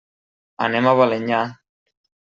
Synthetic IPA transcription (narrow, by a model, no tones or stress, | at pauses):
a̰nemaβaleɲa